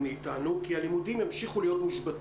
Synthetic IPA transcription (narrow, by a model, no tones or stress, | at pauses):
iːtanukialimud̪imemʃiχulijo̞t̪miʃbat